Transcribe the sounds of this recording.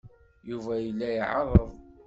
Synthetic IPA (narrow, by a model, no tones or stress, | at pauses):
juvæjəlːæjʕɑɾˤəðˤ